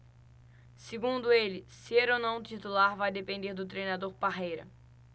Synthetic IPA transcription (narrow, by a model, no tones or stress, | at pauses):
sɪɡũnd̪ʊelɪseɾonɐ̃w̃t̪it̪ulaɾvajd̪epẽnd̪eɾd̪ʊt̪̬ɾejnad̪oɾpaɦejɾɐ̰